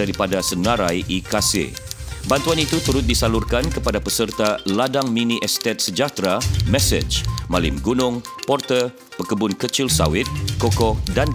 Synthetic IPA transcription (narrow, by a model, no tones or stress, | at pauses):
aɾipadasənãɾajʔikasḛbant̪uanit̪ut̪uɾʊt̪̚disalʊrkankəpadapəsərt̪aladaŋminiʔɛst̪ɛt̪̚səd͡ʒat̪ɾamɛsə̰d͡ʒmalɪmɡunʊ̃ŋpɔrt̪ər | pəkəbʊnkət͡ʃɪlsa̰wɪt̪̚kɔkɔdan